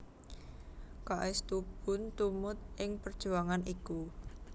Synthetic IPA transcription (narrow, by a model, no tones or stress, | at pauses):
kaʔɛst̪ub̥ʊ̤nt̪umʊt̪̚ʔɪŋpərd̥ʒ̥ṳaŋaniku